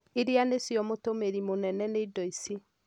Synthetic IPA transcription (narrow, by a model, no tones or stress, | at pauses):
iɾianesjɔmotomeɾimonɛnɛneidɔisi